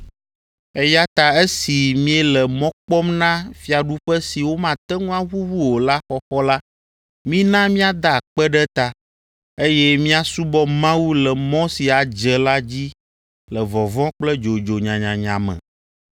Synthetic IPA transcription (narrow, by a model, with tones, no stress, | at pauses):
ɛ˦ja˦t̪a˨ɛ˦si˨mĩ˦ɛ˦lɛ˨mɔ̃˦k͡pɔ˦mnã˦fi˦a˨ɖu˦ɸɛ˦si˨wo˦mã˨t̪ɛ˦ŋũ˦ã˦ɣu˦wu˦wo˨la˦xɔ˦xɔ˦la˦ | mĩ˦nã˦mĩ˦a˨d̪a˦˨k͡pɛ˦ɖɛ˦t̪a˦ | e˦jɛ˦mĩ˦a˨su˦bɔ˦mã˦wu˦lɛ˨mɔ̃˦si˨a˨d͡ʒɛ˨la˦d͡ʑi˦ | lɛ˨vɔ˨vɔ̃˦k͡plɛ˦d͡ʒo˨d͡ʒo˨ɲã˨ɲã˨ɲã̰˨mɛ̰̃˨